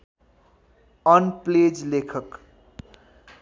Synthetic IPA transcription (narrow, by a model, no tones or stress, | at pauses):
ʌnpled͡ʒlekʰək